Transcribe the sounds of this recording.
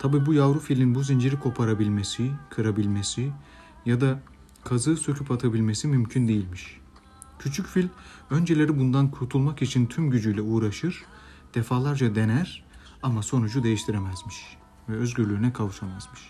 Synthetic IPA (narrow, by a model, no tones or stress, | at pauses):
t̪ʰabiːbujavɾufilʲinbuzind͡ʒiɾikʰo̞pʰaɾabilʲme̞sikʰɯɾabilʲme̞si | jad̪a | kʰazɯːsøcʰypʰat̪ʰabilʲme̞simymcʰynd̪e̞jilʲmiʃ | cʰyt͡ʃʰycfilʲø̞nd͡ʒelʲe̞ɾibund̪ankʰuɾt̪ʰulˠmakit͡ʃʰint̪ʰymɟyd͡ʒyjlʲɛuːɾaʃɯɾ̥ | d̪̥efaːlˠaɾd͡ʒad̪e̞næɾ̥ | amaso̞nud͡ʒud̪e̞jiʃt̪ʰiɾemæzmiʃ | vɛø̞zɟyɾlʲyːnɛkʰavuʃamazmɯʃ